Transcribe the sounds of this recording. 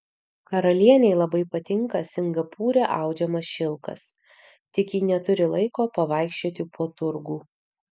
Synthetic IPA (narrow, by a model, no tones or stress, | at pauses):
kɐɾɐlʲiɛnʲɛɪlˠɐbɐɪpɐt̪ʲɪŋkɐsʲɪŋɡɐpuːɾʲɛʔɑˑʊd͡ʒʲɛmɐsʃʲɪlˠkɐ̰s | t̪ʲɪkjiːnʲɛt̪ʊɾʲɪlˠɐɪkoːpɐʋɑˑɪkʃʲt͡ʃʲoːt̪ʲɪpʰuɔt̪ʊɾɡuː